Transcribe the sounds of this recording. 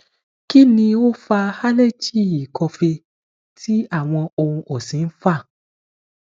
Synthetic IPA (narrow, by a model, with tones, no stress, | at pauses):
ki˦nĩ˧wo˦fa˧ha˦le˦t͡ʃi˦˨i˨kɔ˧fe˧ | tʰi˦a˦˨w̃ɔ̃˧o˧ũ˧ʔɔ˨sĩ˨˦n̩˦fa˦˨